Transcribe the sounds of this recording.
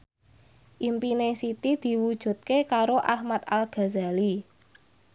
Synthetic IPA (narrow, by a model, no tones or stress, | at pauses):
ʔimpinesit̪id̪̥i̤wud̥ʒ̥ṳt̪̚kekaɾoʔahmat̪̚alɡ̥a̤za̤li